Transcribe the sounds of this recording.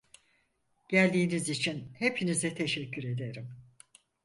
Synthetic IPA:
ɟ̥ælʲd̪iːnizit͡ʃʰinhe̞pʰinizɛt̪ʰe̞ʃɛcʰːyɾe̞d̪e̞ɾim

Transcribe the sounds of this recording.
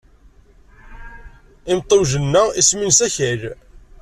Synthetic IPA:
ɪmt̪ˤːowʒənːæisminsæçæɾ

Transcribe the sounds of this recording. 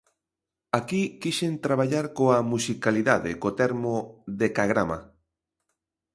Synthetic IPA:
akikiʃent̪ɾaβ̞aʎaɾkoamusikaliðaðɪ̰kot̪ɛɾmoðekaɣɾama̰

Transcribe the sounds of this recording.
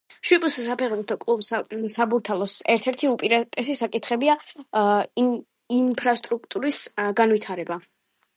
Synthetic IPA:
ʃwipʼussapʰɛʁbut̪ʰɔkʼlˠubsasabuɾt̪ʰalˠɔsɛɾt̪ʰɛɾt̪ʰiupʼiɾat̪ʼɛsisakʼit̪ʰχɛbia | impʰɾast̪ʼɾuk̚ʰt̪ʼuɾisɡanwit̪ʰaɾɛba

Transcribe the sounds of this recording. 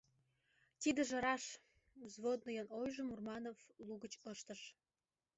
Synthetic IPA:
t̪id̪ə̆ʒə̆ɾɑʃ | zβod̪̚nojonojʒəmurmɑnovluɣət͡ɕəʃt̪əʃ

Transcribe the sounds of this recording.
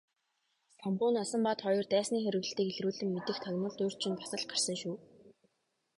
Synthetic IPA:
sampʊːnasə̆mpat̪χɔjɞ̆rt̪æːsniːxeɾɘ̆ɣɘ̆ɬt̪iːkeɮruːɮɘ̆mːet̪ɘ̆xt̪ʰœɣʲnə̆ɮt̪oːr̥t͡ɕʰĭnpḁsə̆ɮ̚ɢar̥sə̆ŋʃuː

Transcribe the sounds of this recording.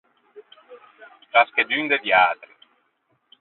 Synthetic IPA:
tɾasked̪ynd̪ed̪jaːt̪ɾi

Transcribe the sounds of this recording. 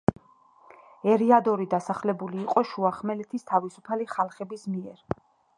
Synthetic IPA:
ɛɾiad̪ɔɾid̪asaχlɛbuliːqʼɔʃuaχmɛlɛt̪ʰist̪ʰavisupʰaliχalˠχɛbismiɛɾ

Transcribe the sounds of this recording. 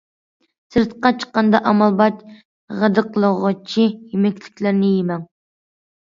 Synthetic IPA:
sɨɾt̪qɑt͡ʃʰə̥qːɑnd̪ɑʔɑmɑlˠbɑt͡ʃ | ʁæd̪ɨqʰəlˠəʁɑt͡ʃʰijemɛkʲlɪkʲlæɾnɪjemɛŋ

